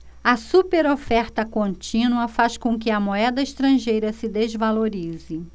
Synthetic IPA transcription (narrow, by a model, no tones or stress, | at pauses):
ɐsupeɾofɛɾt̪ɐkõnt͡ʃĩnuɐfaskõk̬ɪɐmoɛd̪ɐɪʃt̪ɾɐ̃ʒejɾɐsɪd̪ezvaloɾizɪ